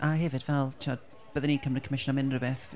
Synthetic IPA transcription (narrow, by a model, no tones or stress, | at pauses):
ʔaɦɛvɪdvɛlˠtʰiɔd | b̥əðənikʰəmrəkʰəmɪʃnamɪnrəbɛθ